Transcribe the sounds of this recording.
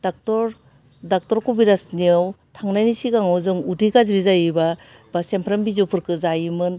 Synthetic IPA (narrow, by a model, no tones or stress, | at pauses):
dak̚tɔɾ | dak̚tɔɾkubiɾasniawtʰaŋnajnisiɡaŋawzɯŋudikaziɾizajɯba | basempʰɾambizɔwpʰɯɾkɯzajimɯn